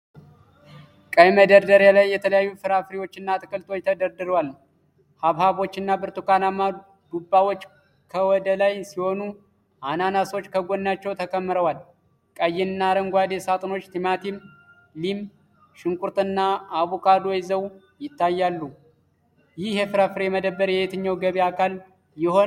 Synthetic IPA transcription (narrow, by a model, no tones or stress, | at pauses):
kʼəjməd̪əɾd̪əɾjalajːɛt̪ʰələjajːufɨɾafɾiwo̞t͡ʃːɨnːat̪ʼɨkʼɨlt̪ʰʼo̞jt̪ʰəd̪əɾd̪ɨɾwalː | haβhaβo̞t͡ʃːɪnːabɨɾt̪ukanamːa | d̪̥ubːawo̞t͡ʃː | kʰəwɔd̪əlajsiho̞nu | ʔananaso̞t͡ʃːkʰəɡo̞nːat͡ʃːɛwt̪ʰəkʰəmːɨɾəwal | kʼəjːɪnɨnːaɾəŋɡʷad̪esat̪ʼɨno̞t͡ʃːt̪ʰimat̪ʰim | lim | ʃɨŋkʷʼuɾt̪ʼɨnːaːβukʰad̪o̞jzəw | jɪt̪ːajːalːu | jɪhjefɨɾafɨɾiɛməd̪əbːəɾjɛjet̪ʰɨɲːawɡəβiakʰal | jɪho̞n